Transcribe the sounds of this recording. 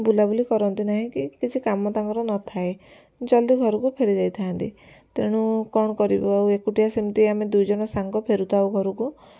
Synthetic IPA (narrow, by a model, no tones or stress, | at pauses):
bulabulikɔɾɔnt̪inaɦĩkikit͡ʃʰikamɔt̪aŋɡɔɾɔnɔt̪ʰae | t͡ʃɔld̪iɡʱɔɾɔkupʰeɾid͡ʒajt̪ʰaːnt̪ḭ | t̪eɽ̃ukɔɽ̃ɔkɔɾibɔawekuʈiasemt̪iamed̪ujd͡ʒɔɽ̃ɔsaŋɡɔpʰeɾut̪awɡʱɔɾuku